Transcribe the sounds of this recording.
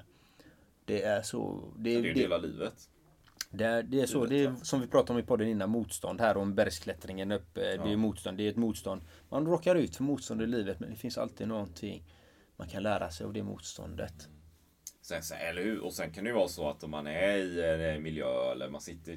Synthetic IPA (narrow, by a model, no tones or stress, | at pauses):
d̪̥ɛæʂɔ̰d̪ɛɛd̪eːlalḭːvət̪ | d̪ɛæd̪ɛæʂɔd̪ɛːsɔmvɪpʰɾɑːt̪aɾɔmɪpʰɔd̪ːənɪnːanmuːt̪st̪ɔ̰nd̪hæːɾɔmbæɾskʰlɛt̪ɾɪŋənɵpːəd̪ɛːmuːt̪st̪ɔnd̪ɛɛt̪muːt̪st̪ɔnd̪manɾɔːkːaɾʉ̟ːt̪fœɾmuːt̪st̪ɔnd̪əɪliːvət̪mɛnd̪ɛfɪnsa̰lt̪iːd̪nɔɡɔnt̪ʰɪŋː | ma̰nkʰanlæːɾa̰sɛja̰vd̪ɛmṵːt̪st̪ʰɔ̰nd̪ə̰t̪ | sɛnsɛɛlːəɾhʉɔsɛnkʰand̪ɛjʏvɑːsɔat̪ːɔmːanæɾɪɛmɪljøːɛ̰lːə̰ɾma̰nsɪt̪ːə